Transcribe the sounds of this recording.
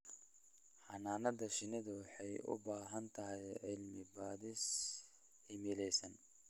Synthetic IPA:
ħɑnaːnɐðɐʃɪnɪðɐwɑħɑjʊ̰baːɦɐnt̪ʰɐɦɛjʕɪlmɪbaːðɪs | hɪmɪlɛjsɐn

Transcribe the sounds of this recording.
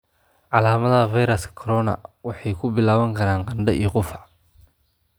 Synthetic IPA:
ʕɑlaːmɐðɐvajɾɐskkʰɔɾɔnɐ̰wɑħɑjkʰʊbɪlaːβɐŋkʰɐɾaːnqɑnɖɐʔḭjqʊfɐ

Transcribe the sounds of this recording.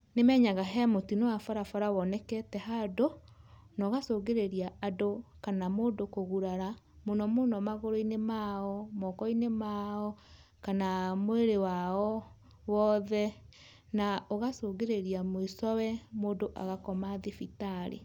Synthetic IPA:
nemɛːɲaɣaɦɛmotinowafaɾafaɾawɔnɛkɛtɛɦado | nɔɣasoːɣeɾeɾiaadokanamoːdokoɣuɾaɾa | monɔmonɔmaɣoɾoinemaɔmɔkɔinemaɔ | kanamoeɾewaɔ | wɔðɛ | naoɣasoːɣeɾeɾiamoisɔwɛmoːdoʔa̰ɣakɔmaðefitaɾḛ

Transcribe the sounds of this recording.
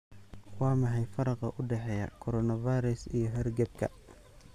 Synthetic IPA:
wɑːmɐħɛjfɐɾɑqɑʔʊɖɛħɛjɐ̰kʰɔɾɔnɐvajɾɛsijɔɦɛrɡɐb̚kʰɐ̰

